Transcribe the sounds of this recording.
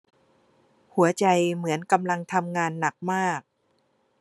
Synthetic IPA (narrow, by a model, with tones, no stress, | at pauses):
hu˩˦ɐt͡ɕa˧jmɯ˩˦ənka˧mla˧ŋt̪ʰa˧mŋaː˧nːa˨˩k̚maː˥˩k̚